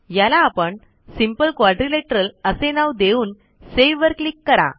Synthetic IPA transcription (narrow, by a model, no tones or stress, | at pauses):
jalaːpəɳ | simpəlkʋaɖɾileʈəɾələsenaʋd̪euːn | seʋʋəɾklikːəɾa̰